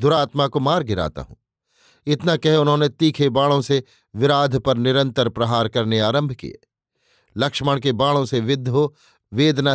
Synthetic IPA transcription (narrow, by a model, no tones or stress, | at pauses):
d̪ʊɾaːt̪makomaːɾɡɪɾa̰ːt̪a̰ɦṵ̃ː | ɪt̪nakɛɦʊnɦõnet̪iːkʰebaːɭõse | ʋɪɾaːd̪ʱpɐɾnɪɾə̃nt̪əɾpɾɐɦaːɾkɐɾneaːɾə̃mbʱkḭjḛː | lɐkʃməɽ̃k̬ebaːɭõseʋɪd̪ʱːɦo | ʋeːd̪na